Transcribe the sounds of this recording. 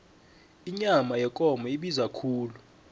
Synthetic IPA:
iɲamajɛkʼɔmʱɔiɓizakʰuːlu

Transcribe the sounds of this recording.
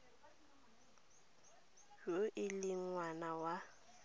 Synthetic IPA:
joʔɪlɪŋwanawa

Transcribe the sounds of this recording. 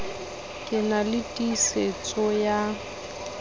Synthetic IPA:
kʼɪnalɪtʼiset͡sʼɔja

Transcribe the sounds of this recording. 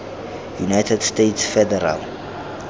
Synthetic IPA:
junajtʰɛdstetʰsfɛdɛɾa̰l

